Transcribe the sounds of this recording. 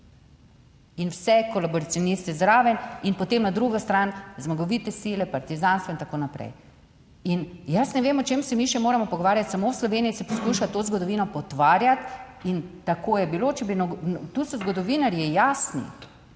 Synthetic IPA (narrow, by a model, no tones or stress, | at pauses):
inwsɛkɔlabɔɾasjɔnist̪ɛzd̪ɾaːʋɛninpɔt̪emnad̪ɾuɡɔst̪ɾanzmaɡɔʋit̪ɛsilɛpaɾt̪izanst̪ʋɔint̪akoːnapɾɛ̰j | injɐsnɛʋeːmɔt͡ʃemsɛmiʃɛmoːɾamɔpɔɡɔʋaːɾjat̪samowslɔʋeːniisɛpɔskuʃat̪ozɡɔd̪ɔʋiːnɔpɔt̪ʋaːɾjat̪int̪akojɛbiloːt͡ʃɛbinɔt̪usɔzɡɔd̪ɔʋiːnaɾjijasnḭ